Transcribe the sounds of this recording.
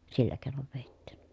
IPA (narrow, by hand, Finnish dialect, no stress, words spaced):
silːæ keˑi̯noʋ ʋeˑitːi̥